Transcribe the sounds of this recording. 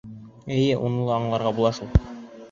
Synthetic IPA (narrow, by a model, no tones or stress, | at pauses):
ɘjɘʔunɤ̆lˠɤɑɴlˠɑɾʁɑbulˠɑʃulˠ